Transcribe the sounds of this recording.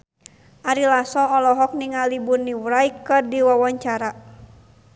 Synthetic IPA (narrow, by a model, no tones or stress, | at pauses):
ʔaɾilasɔːlɔɦɔk̚niŋalibunːiwɾaikɨrdiwawaɲt͡ʃaɾa